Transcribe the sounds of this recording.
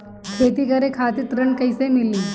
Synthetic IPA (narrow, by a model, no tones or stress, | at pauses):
kʰet̪ikəɾekʰat̪it̪ɾəɳkəjsemilːiː